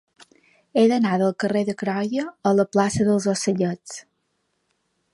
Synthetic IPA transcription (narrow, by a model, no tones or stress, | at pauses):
eðənaðəlˠkəreðəkɾɔjəələplasəðəlˠzosəʎət͡s